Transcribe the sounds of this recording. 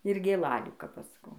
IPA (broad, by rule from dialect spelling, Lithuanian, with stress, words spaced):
ɪr ɡʲeːˈlˠɑːlʲuː kɐp ˈɐʃ sɐˈkɐʊ